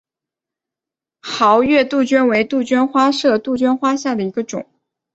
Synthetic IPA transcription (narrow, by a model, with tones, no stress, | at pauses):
xɑ˧˥ʊɥɛ˥˧t̪u˥˩t͡ɕɥɛ˥nwe˧˥ɪt̪u˥˩t͡ɕɥɛ˥nxwa˥ʂɤ˥˧t̪u˥˩t͡ɕɥɛ˥nxwa˥ɕja˥˩d̪ə˩i˧˥ɡə˧ʈ͡ʂʊ̰˨˩˦ŋ